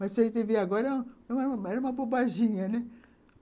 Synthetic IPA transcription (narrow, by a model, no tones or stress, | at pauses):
mɐsɐẽt̪eveaɡɔɾɐɛũɛũmɛɾɐũmɐbobaʒĩɲɐnɛ